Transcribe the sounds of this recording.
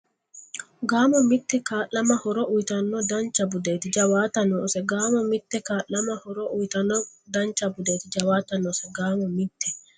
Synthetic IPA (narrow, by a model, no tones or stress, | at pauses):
ɡaːmɔmɪt̪ːɛkaːʔɐmɐhɔɾɔʔujt̪ɐnːɔd̪ɐnt͡ʃɐbud̪et̪ɪd͡ʒɐwaːt̪ɐnoːsɛɡaːmɔmɪt̪ːɛkaːlɐmɐhɔɾɔʔujt̪ɐnːɔd̪ɐnt͡ʃɐbʊd̪eːt̪ɪd͡ʒɐwaːt̪ɐnoːsɛɡaːmɔmɪt̪ːɛ